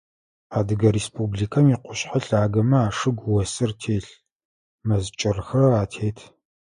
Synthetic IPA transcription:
aːdɨɡɐɾespʰʼubɮiːkʰɐmiqʷʊɕħaɬaːɡɐmɐaːʂɨɡʷwɔsɨrtʰeːɬ | mɐzt͡ʃʼɪrxɐraːtʰeːtʰ

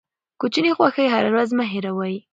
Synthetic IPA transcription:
kut͡ʃinexwaxəjɦaɾawɾazmaɦeɾawaj

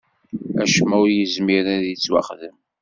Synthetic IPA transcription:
æʃmæwɾjəzmiɾæðət͡sːwɑ̰χðəm

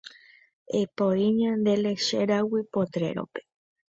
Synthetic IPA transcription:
epoiɲãnd̪eleʃeɾawipot̪ɾḛɾo̰pe̥

